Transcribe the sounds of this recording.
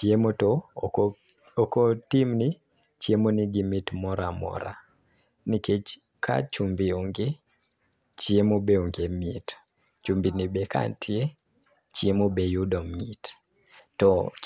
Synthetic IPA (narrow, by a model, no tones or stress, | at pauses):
t͡ʃiemotɔ | okotimni | t͡ʃemoniɡimitmɔɾamɔ̰ɾa̰ | niket͡ʃ | kʰa̰t͡ʃumbioŋɡe | t͡ʃiemobeoŋɡemit | t͡ʃumbinibeka̰ntʰɪe | t͡ʃjemobejudɔmit | tɔ